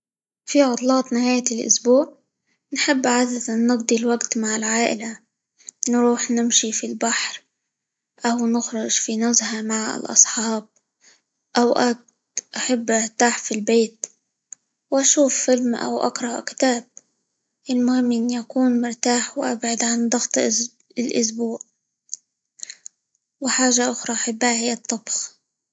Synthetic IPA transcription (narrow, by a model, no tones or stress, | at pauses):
fiʕʊt̪ˤlɑːt̪ˤnɪhaːjalʔʊ̰sbuːʕ | nħɪbːʔʕad̪ad̪anːɪɡd̪ˤilwaɡt̪maʕɪlʕaːʔɪ̰la | nɾuːħnɪmʃifilbaħɾ | ʔawnɪxɾʊʒfinʊzhamaʕɪ̰lʔɑ̰sˤħɑːb̚ | ʔawʔak̪̚ | ʔaħabːʔaɾt̪aːħfilbeːt̪ | wʔaʃuːfːɪlmʔa̰wʔa̰kɾˤɑʔkɪ̥t̪aːb̚ | ʔɪlmʊhɪmːɪnjakuːnmʊɾt̪aːħwʔa̰bʕɪd̪ʕand̪ˤɑɣt̪ˤ | ɪlʔʊs̬buːʕ | wɪħaːʒaʔʊxɾˤɑʔaħabːhahɪjːɑt̪ˤːɑbx